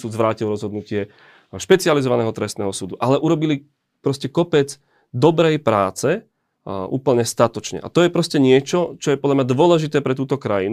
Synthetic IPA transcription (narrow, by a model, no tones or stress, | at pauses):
suːzʋɾaːcilɾɔzɦɔd̪nucɪɛ | ʃpɛt͡sializɔʋanɛːɦɔt̪ɾɛst̪nɛːɦɔsuːd̪uʔalɛʔuɾɔbili | pɾɔscɛkɔpɛd͡z | d̪ɔbɾɛjpɾaːt͡sɛ | ṵːpl̩ɲɛst̪at̪ɔt͡ʃɲɛ̰ʔa̰t̪ɔjɛpɾɔscɛɲɪɛt͡ʃɔt͡ʃɔjɛpɔd̪lamɲad̪ʋʊɔlɛʒit̪ɛːpɾɛt̪̬uːt̪ɔkɾajin